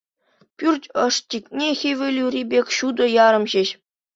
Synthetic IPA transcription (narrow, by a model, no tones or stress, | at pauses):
pʲyrʲtʲɤ̆ʂtʲikʲnʲexʲeʋʲĕlʲyɾʲibʲekʲɕud̪ɤ̆jɑɾɤ̆mʑĕɕ